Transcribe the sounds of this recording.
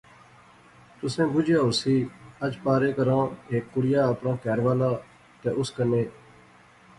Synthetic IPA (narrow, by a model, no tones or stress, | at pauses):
t̪ʊsẽːbʊd͡ʒjãːʊsiːəd͡ʒpaːɾeːkəɾãːeːkːʊɽɪjãːəpɳãːkɛːɾʋaːlaː | t̪eːʔʊskəneː